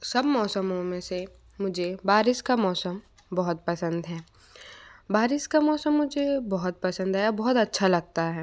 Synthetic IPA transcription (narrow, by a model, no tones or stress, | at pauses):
sɐbmɔːsəmõmẽse | mʊd͡ʒʱebaːɾɪʃkamɔːsəm | bɔɦʊt̪̚pɐsə̃nd̪ɦɛː | baːɾɪskamɔːsəmːʊd͡ʒʱebɔɦʊt̪̚pɐsə̃nd̪ɦɛbɔɦʊt̪ɐtːʃʰalɐɡ̚t̪aɦɛː